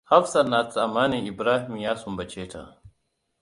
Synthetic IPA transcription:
ha˦fsana˨t͡sa˨maː˦nii˨bɾaː˦himjaː˦sumba˨t͡ʃeː˦tʰa̰˨

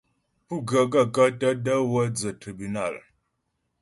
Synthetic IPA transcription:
pu˦˨ɡə˨ɡa˦˨ka˦ta˦də˦wə˦d͡zə˨ti˨bi˨na̰˦˨l

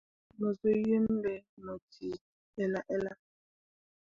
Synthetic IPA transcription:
nɔ˨zo˦je˦n˦dɛ˨nɔ˨tʰi˨ | ɛ˦la˦ʔɛ˦la˦

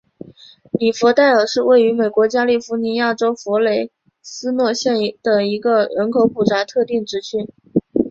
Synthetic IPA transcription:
li˨˩fɔ˧˥t̪a˥˩ɪə˞˨˩ʂɻ̩˥˧we˥˩ɪy˧˥me˨˩ɪkwɔ˧˥t͡ɕja˥li˥˩fu˧˥ni˧˥ja˥˩ʈ͡ʂo˥ʊfɔ˧˥le˧˥ɪ | sɹ̩˥nwɔ˥˧ɕjɛ˥˩n˥d̪̥ə˩i˧˥ɡə˧ɻə˧˥nkʰo˧˥ʊpu˨˩ʈ͡ʂa˧˥t̪ʰɤ˥˧t̪i˥˩ŋʈ͡ʂɻ̩˧˥t͡ɕʰy˥n

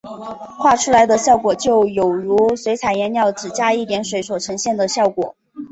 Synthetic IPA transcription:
xʰwa˥˩ʈ͡ʂʰu˥la˧˥ɪd̪ə˧ɕjɑ˥˩ʊkwɔ˨˩t͡ɕjo˥˩ʊjo˨˩ʊɻu˧˥swe˧˥ɪt͡sʰa˨˩ɪjɛ˧˥njɑ˥˩ʊʈ͡ʂɻ̩˨˩t͡ɕja˥i˥˩t̪jɛ˧˥nʂwe˧˥ɪswɔ˨˩ʈ͡ʂʰɤ˧˥ŋɕjɛ˥˩nd̪ə˩ɕjɑ˥˩ʊkwɔ̰˨˩˦

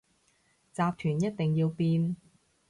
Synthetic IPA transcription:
t͡saː˨˧p̚t̪ʰyː˨˩njɐ˥t̚t̪ɪ˨ŋjiː˧wpiː˧n

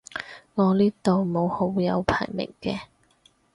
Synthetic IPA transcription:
ŋɔː˨˧liː˥t̪o˨wmo˨˧who˨˧˥wjɐ˨˧wpʰa̰ː˨˩jmɪ̰˨˩ŋkɛː˧

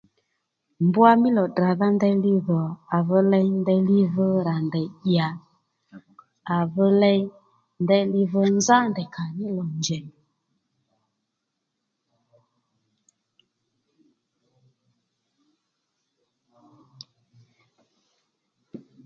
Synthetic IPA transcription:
mbu˦a˦mɪ˦lɔ˨dra˨ða˦ndɛ˧li˧ðɔ˨a˨və˧lɛ˧jndɛ˧li˦və˧ɾa˨ndɛ˨ɗja˨ | a˨və˧˦lɛ˧j | ndɛ˧li˧və˧nza˦ndɛ˨kʰa˨nɪ˦lɔ˨nd͡ʒɛ˨

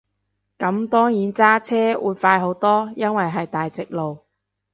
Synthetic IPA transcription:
kɐ˨˥mt̪ɔː˥ŋjiː˨˥nt͡saː˥t͡sʰɛː˥wʔṵː˨˧jfaː˧jɦo˨˥wt̪ɔː˥jɐ˥nwɐ˨jɦɐ˨jt̪aː˨jt͡sɪ˨k̚lo˨w

